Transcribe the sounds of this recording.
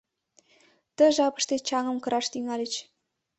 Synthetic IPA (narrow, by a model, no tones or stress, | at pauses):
t̪ə̆ʒɑpə̆ʃt̪et͡ɕɑŋɤ̆mkɤ̆ɾɑʃt̪yŋɑlʲɘt͡ɕ